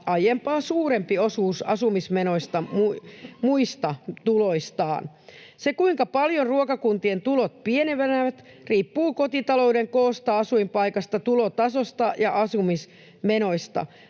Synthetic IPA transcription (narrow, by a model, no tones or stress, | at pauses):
ɑjempɑːsuːɾe̞mpiosuːsɑ̰sumismeno̞ist̪ɑmumuist̪ɑt̪uloist̪ɑ̰ːn | sekuiŋkɑpɑljonruokɑkunt̪ient̪ulot̪̚pieneʋænæʋæt̪ | riːpːuːkot̪it̪ɑlo̞udeŋkoːst̪ɑɑsuimpɑikɑst̪ɑt̪ulot̪ɑsost̪ɑjɑʔɑsumis | meno̞ist̪ɑ̰